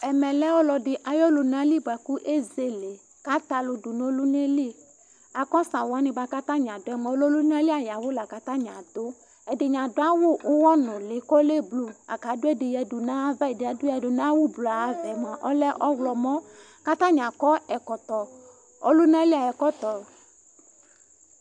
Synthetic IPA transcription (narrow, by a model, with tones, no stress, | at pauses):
ɛ˨mɛ̃˨lɛ˦wɔ˦lɔ˨ɖɪ˨ʔa˨jɔ˦lo˨nã˦li˦ba˨ku˦ʔe˦ze˨le˨ | ka˦t̪a˨lo˨du˨nõ˦lu˦ne˦li˦ | a˨kɔ˦sã˨wa˦nĩ˨ba˦ka˦t̪ã˦ɲ˨ã˨do˦ɛ˦mɛ̃˨o˦lo˦lu˦nã˦li˦a˨ja˨wo˦la˨ka˦t̪ã˦ɲã˨d̪o˦ | ɛ˨de˨ɲã˨do˦a˦wo˦ʔo˦wɔ˦nɔ̃˨le˨kɔ˦le˦blu˦a̰˨ka˨˦do˦ɛ˦de˨jɛ˨du˨nã˦vɛ˦˨de˨a˨do˦ja˨do˨nã˦wu˦blo˨a˨a˨vɛ˨mã˨ʔɔ˦lɛ˦ʔɔ˦wlɔ˨mɔ̃˦ | ka˦t̪ã˦ɲã˨kɔ˦ɛ˨kɔ˨t̪ɔ˨ | ɔ˦lo˦nã˦li˦a˨ɛ˨kɔ˦t̪ɔ˨